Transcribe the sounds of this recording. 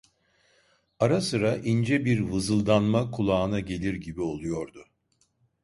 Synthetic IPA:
aɾasɯɾaʔind͡ʒɛbiɾvɯzɯlˠd̪anmakʰulˠaːɯnaɟe̞lʲiɾɟibio̞lˠujo̞ɾd̪ʊ

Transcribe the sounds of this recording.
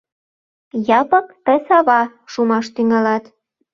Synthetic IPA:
jɑpɤkt̪əsɑβɑ | ʃumɑʃt̪yŋɑlɑt̪

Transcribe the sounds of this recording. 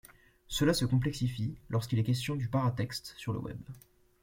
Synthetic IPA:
səlasəkɔ̃plɛksifilʔɔʁskilɛkʲɛst̪jɔ̃d̪ypaʁat̪ɛkst̪syʁlə̰wɛ̰b

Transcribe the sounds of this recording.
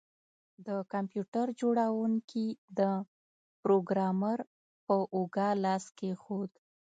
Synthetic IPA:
d̪əkampjuʈaɾd͡ʒoɽawuŋkʰid̪ə | pɾoɡɾɑmaɾ | pəʔuɡɑlɑskexod̪

